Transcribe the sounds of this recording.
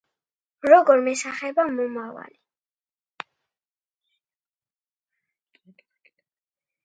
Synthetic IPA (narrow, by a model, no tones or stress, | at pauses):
ɾɔɡɔɾmɛsaχɛbamɔmava̰li